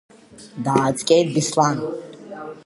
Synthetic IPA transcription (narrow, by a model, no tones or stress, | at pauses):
d̪aːt͡skʼeːt̪̚bislaːn